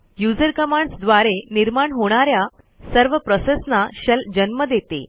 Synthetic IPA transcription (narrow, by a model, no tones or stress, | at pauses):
jud͡zəɾkəmaɳɖsd̪ʋaɾeniɾmaɳɦoɽ̃aɾja | səɾʋəpɾɔsesnaɕəld͡ʑənməd̪et̪ḛ